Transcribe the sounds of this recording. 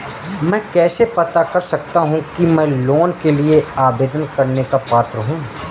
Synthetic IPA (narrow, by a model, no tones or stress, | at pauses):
mɛ̃ːkɛːsepɐt̪akɐɾsɐk̚t̪aɦũkimɛ̃ːloːnkelieaːbeːd̪ənkɐɾnekapaːt̪ɾəɦũː